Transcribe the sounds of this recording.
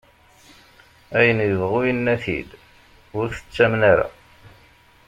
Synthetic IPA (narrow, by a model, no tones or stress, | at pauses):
æjənjəvʁuinːæθḭd̪ | ʊɾθə̥t͡sːæmnaɾæ̰